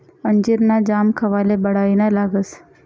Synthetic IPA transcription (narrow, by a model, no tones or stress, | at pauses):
əɲd͡ʒiɾnad͡ʒaːmkʰɐʋaːlebɐɽaːinalaːɡəs